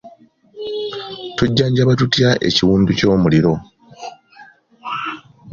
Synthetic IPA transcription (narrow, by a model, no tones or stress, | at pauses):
tuɟːaːɲɟaβatutjaʔe̞̰ciwuːnduco̞ːmuliɾo̞